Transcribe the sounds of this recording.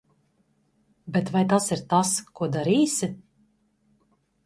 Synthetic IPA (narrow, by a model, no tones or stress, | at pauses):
bɛt̪vajt̪asiɾt̪askuɔd̪aɾiːsʲɪ